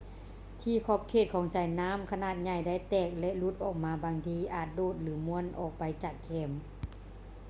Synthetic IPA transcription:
t̪ʰiː˧˩kʰɔ˧˥˩p̚kʰeː˧˨˩t̪̚kʰɔː˨˦ŋsaː˨˦jnaː˧˥˨mkʰa˧naː˧˩t̪̚ɲa˧˩jda˧˥˩jt̪ɛː˧˩k̚lɛ˧lu˧˦t̪̚ʔɔː˨˩k̚maː˨˧baː˧ŋt̪ʰiː˧ʔaː˨˩t̪̚doː˧˩t̪̚lɯː˨˦mu˧˥ənʔɔː˨˩k̚pa˧jt͡ɕaː˨˩kʰːɛː˧˩m

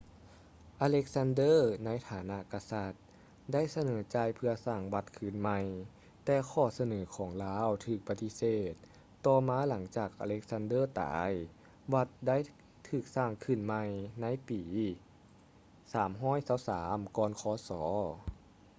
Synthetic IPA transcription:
ʔaː˧le˦˧˥k̚sa˧˥ndɤː˥˩˨na˧˥jt̪ʰaː˨˩˦na˧˨ʔka˧sa˧t̪̚ | da˥˨jsa˧nɤː˩˦t͡ɕaː˧jpʰɯ˧ɐsaː˧˩ŋwa˧t̪̚kʰɯː˧˩nma˧j | t̪ɛː˧kʰɔː˧˩sa˧nɤː˩˦kʰɔː˩˦ŋlaː˧˥˨wt̪ʰɯː˨˩k̚pa˧t̪i˧˥seː˨˧˩t̪̚ː | ɔː˧maː˧˥la˩˦ŋt͡ɕaː˨˩k̚ʔa̰˧le˧˥k̚sa˧˥ndɤː˥˨t̪a̰ː˩˦j | wa˧t̪̚da˥˨j | t̪ʰɯː˨˩k̚saː˧˩ŋkʰɯ˧˩nma˧jna˧˥˨jpiː˩˨˦ | saː˩˦mɦɔː˥˨jsa˧˥˩wsaː˩˦mkɔː˧nkʰɔː˧˦sɔː˩˦

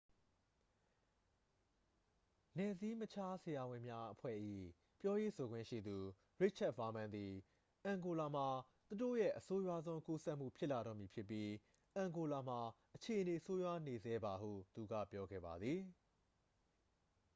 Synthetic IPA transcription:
nɛ˨zi˦mə˦t͡ɕʰa˦se˨ja˨wɪ̃˨mja˦ʔəpʰwɛ̰˦˨ʔḭ˦˨ | pjɔ˦je˦˨sʰo˨ɡwɪ̰̃˦˨ʃḭ˦˨d̪u˨ | ɹɪ˦ʔ̚t͡ʃʰɛ˦t̚fa˨˦mã˦nd̪i˨ | ʔã˨ŋɡo˨la˨m̥a˨ | t̪u˨do̰˦˨jɛ̰˦˨ʔəso˦jwa˦zõ˦ʊ̃ŋku˦sɛ˦ʔm̥ṵ˦˨pʰjɪ˦ʔla˨ɾɔ̰˦˨mji˨pʰjɪ˦pːji˦ | ʔã˨ŋɡo˨la˨m̥a˨ʔət͡ɕʰe˨ʔəne˨so˦jwa˦˨ne˨zɛ˦ba˨hṵ˦˨t̪u˨ɡä̰˦˨pjɔ˦ɡɛ̰˦˨ba˨d̪ði˨

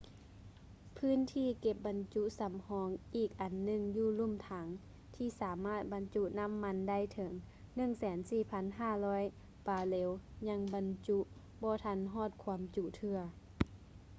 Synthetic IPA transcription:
pʰɯː˧˥˨nt̪ʰiː˧˨ke˧˩p̚ba˨˦nt͡ɕu˧˥sa˨˦mhɔː˨˦ŋʔiː˨˩k̚ʔa˨nːɯ˧˩˨ŋjuː˧˩˨lu˧˥˨mt̪ʰaː˨˦ŋ | t̪ʰiː˧˩saː˨˦maː˧˥˩t̪̚ba˨˦nt͡ɕu˧˥na˧˥˨mːa˧˥nda˧˥˩jt̪ʰɤ˩˦ŋ | nɯ˧˥˨ŋsɛː˨˦nsiː˧˩pʰa˧˥nɦaː˧˩lɔː˧˥˨j | paː˨˧˩leː˨˦wɲa˧˥ŋba˨˦nt͡ɕu˧˥ʔ | bɔː˧˦t̪ʰa˧˥˨nɦɔː˧˥˨t̪̚kʰu˧˦əmt͡ɕu˧˨ʔt̪ʰɯ˧ɐ

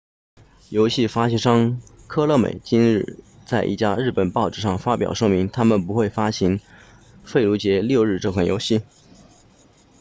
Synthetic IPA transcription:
jo˧˥ʊɕi˥˩fa˥ɕʂɑ˥ŋ | kʰɤ˥lɤ˥˩mḛ˨˩ɪt͡ɕi˥nɻɻ̩˥˧ | t͡sa˥˧ɪʔḭ˥˩t͡ɕja˥ɻɻ̩˥˩pə˨˩npɑ˥˧ʊʈ͡ʂɻ̩˥˩ʂɑ˥˩ŋfa˥pjɑ̰˨˩ʊʂɤ˥ŋmi˧˥ŋt̪ʰa˥mə˨npu˧˥xwe˥˩ɪfa˥ɕi˧˥n | fe˥˩ɪlu˧˥t͡ɕjɛ˧˥ljo˥˧ʊɻ̩˥˧ʈ͡ʂɤ˥˧kʰwa˥˩njo̰˧˥ʊɕi˥˩

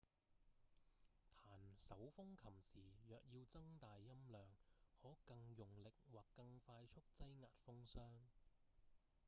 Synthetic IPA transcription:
t̪ʰaː˨˩nsɐ˨˥wfʊ˥ŋkʰɐ˨˩msiː˨˩jœː˨˩k̚jiː˧wt͡sɐ˥ŋt̪aː˨jːɐ˥mlœː˨ŋhɔː˨˥kɐ˧ŋjʊ˨ŋlɪ˨k̚waː˨˩kːɐ˧ŋfaː˧jt͡ʃʰʊ˥k̚t͡sɐ˥jŋa̰ː˨t̚fʊ˥ŋsœː˥ŋ

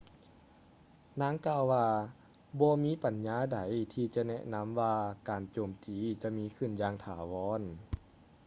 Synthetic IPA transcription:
naː˧˥ŋkaː˧wwaː˧ | bɔː˧miː˧˥˨pa˨˩nɲaː˧˥da˨˦jt̪ʰiː˧t͡ɕa˧nɛ˧ʔna˧˥˨mwaː˧kaː˨˩nt͡ɕoː˨˩mt̪iː˨˩t͡ɕa˧miː˧˥˨kʰɯ˧˩˨njaː˧ŋt̪ʰaː˨˩wɔː˧˥˨n

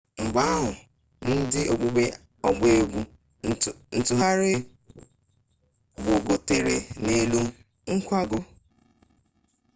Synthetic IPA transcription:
ŋ͡m̩˨ɡ͡ba˦a˦ɦʊ˨ | n̩˦dɪ˦ʔo˨ɡ͡bu˦be˦ | ɔ˨ɡ͡be˦ɡʷu˦ | n̩˨tʊ˨ɦa˦ɾe˦ | bʊ˨ɡo˨te˨ɾḛ˨ne˦lu˦ | ŋ̩˦kʷa˦ɡʊ˨

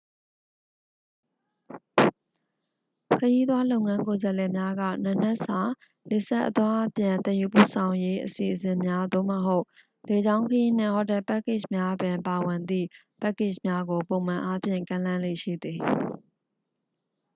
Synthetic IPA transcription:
kʰəji˦t̪wa˦lo˦ʊ̃ŋã˦ŋko˨zə˨lɛ˨mja˦ɡä̰˦˨na˨n̥ɛ˦ʔsa˨ | le˨sɛ˦ʔət̪wa˦ʔpjã˨nt̪ɛ̃˨ju˨pṵ˦˨sʰã˨ʊ̃je˦ʔəsi˨ʔəsɪ̃˨mja˦d̪o̰˦˨mə˨ɦo˦ʊ | le˨d͡ʑã˦ʊ̃ŋkʰəji˦n̥ɪ̰̃˦˨hɔ˦˨tɛ˦˨pɛ˦kɪ˦˨ʃmja˦bɪ̃˨pa˨wɪ̃˨nd̪ḭ˦˨ | pɛ˦kɪ˦˨ʃmja˦ɡo˨põ˨ʊ̃mã˨ʔa˦pʰjɪ̰̃˦˨ŋkã˦lã˦lḛ˦˨ʃḭ˦˨d̪ði˨

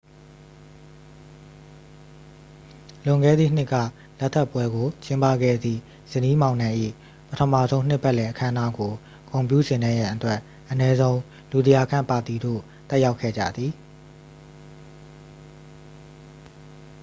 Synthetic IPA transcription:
lʊ̃˨ŋɡɛ̰˦˨d̪ðḭ˦˨n̥ɪ˦ʔkä̰˦˨ | lɛ˦ʔt̪ʰːɛ˦pːwɛ˦ɡo˨t͡ɕɪ̃˦mpa̰˦˨ɡɛ̰˦˨d̪ðḭ˦˨ | z̥ə˨ni˦mã˨ʊ̃nã˨ʔḭ˦˨ | pətʰəma̰˦˨zõ˦ʊ̃n̥ɪ˦ʔpːɛ˦ʔlɛ˨ʔəkʰã˦əna˦ɡo˨ | kõ˨ʊ̃mpjṵ˦˨zɪ̃˨nɛ˦˨jã˨ʔətwɛ˦ʔ | ʔənɛ˦zõ˦ʊ̃ | lu˨d̪ə˨ja˨kʰã̰˦˨mpa˨t̪i˨do̰˦˨ | t̪ɛ˦ʔja˦ʊkʰɛ̰˦˨d͡ʑä̰˦˨d̪ði˨

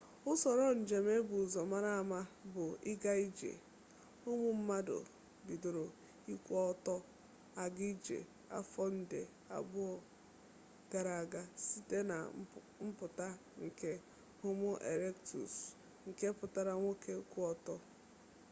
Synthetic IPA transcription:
ʊ˦sɔ˨ɾɔ˦n̩˨d͡ʒe˨me˦bʊ˨zɔ˨ma˦ɾa˦a˨ma˦bʊ˨ɪ˦ɡa˦i˦d͡ʒḛ˨ | ʊ˦mʊ˦m̩˦ma˦dʊ̰˨ | bi˨do˨ɾo˨ | i˦kʷɔ˦tɔ˦ | a˨ɡɪ˦d͡ʒḛ˨ | a̰˦fɔ˦n̩˦de˨ | a̰˨bʊ˦ɔ˨ | ɡ̥a˨ɾa˨a˨ɡa˦si˦te˦na̰˨ | m̩˦pʊ˨ta˦ | ŋ̩˨ke˦ | ʊ˦mʊ˦ʔḛ˨ɾe˦ktṵ˨s | ŋ̩˨ke˦pʊ˨ta˦ɾa˦ŋʷo˦ke˦kʷu˦ɔ˦tɔ˦

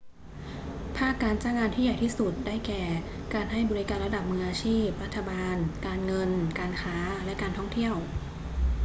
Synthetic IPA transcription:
pʰaː˥˩kːaː˧nt͡ɕaː˥˩ŋaː˧nt̪ʰiː˥˩ja˨˩jt̪ʰiː˥˩su˨˩t̪̚daː˥˩jkɛː˨˩ | kaː˧nɦa˥˩jbɔː˧ɾi˦˥kaː˧nɾa˧da˨˩p̚mɯː˧ŋʔaː˧t͡ɕʰiː˥˩p̚ɾa˦˥t̪ʰːa˧baː˧nkaː˧nŋɤ˧nkaː˧nkʰaː˦˥lɛ˦˥kaː˧nt̪ʰɔ˥˩ŋt̪ʰi˥˩əw

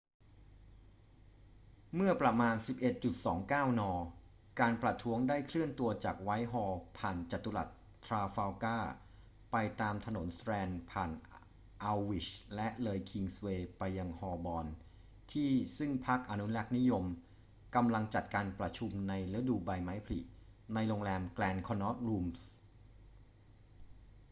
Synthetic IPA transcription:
mɯ˥˩ɐpɾa˧˩maː˧nsi˨˩p̚ʔe˨˩t̪̚t͡ɕu˨˩t̪̚sɔː˩˦ŋkaː˥˩wnɔː˧ | kaː˧npɾa˨˩t̪ʰu˦˥əŋdaː˥˩jkʰlɯ˥˩ənt̪u˧ɐt͡ɕaː˨˩k̚wa˦˥jɦɔː˧pʰaː˨˩nt͡ɕa˨˩t̪ːu˧la̰˨˩t̪ʰːɾaː˧faː˧wkaː˥˩ | pa˧jt̪aː˧mt̪ʰa˧no˩˦nsɾɛː˧npʰaː˨˩n | ʔa˧wːi˨˩t͡ɕlɛ˦˥ʔlɤː˧jkʰi˧ŋsweː˧pa˧jːa˧ŋhɔː˧bɔː˧n | t̪ʰiː˥˩sɯ˥˩ŋpʰa˦˥k̚ʔa˧nu˦˥lɛ˦˥˩k̚ni˦˥jo˧m | ka˧mla˧ŋt͡ɕa˨˩t̪̚kaː˧npɾa˧t͡ɕʰu˧mna˧jlɯ˦˥duː˧ba˧jma˦˥jpʰa˧lḭ˨˩ʔ | na˧jɾoː˧ŋlɛː˧mklɛː˧nkʰɔ˧nːɔ˦˥t̪̚luː˧ms

